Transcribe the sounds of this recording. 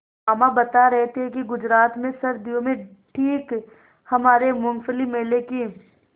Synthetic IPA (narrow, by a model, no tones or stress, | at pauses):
aːmabɐt̪aɾɛɦt̪eɦɛ̃kiɡʊd͡ʒɾaːt̪mẽsɐɾd̪ijõmẽ | ʈʰiːk | hɐmaːɾemʊ̃ŋɡfəlimeːleki